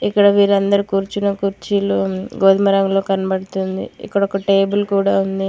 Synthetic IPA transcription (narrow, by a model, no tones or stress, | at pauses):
ikːɐɽɐʋiːɾɐnd̪ɐɾukuːɾt͡ʃunɐkuɾt͡ʃiluɡoːd̪mɐɾɐŋlo̞ːkɐnɐbɐɽut̪und̪ḭḭkːɐɽɐɔkɐʈeːbulkuːɽaːund̪i